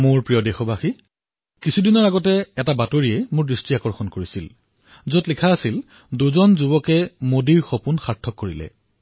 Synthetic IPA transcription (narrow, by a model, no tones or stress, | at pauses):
mʊɹpɹijɔdexɔbaxi | kisʰudinɔɹaɡɔtɛɛtabatoɹiɛmʊɹdɹistiakɔɹxɔnkoɹisil | zotlikʰaːsil | duzɔnzubɔkɛmodiɹxopunxaɹtʰːɔkːoɹilɛ̰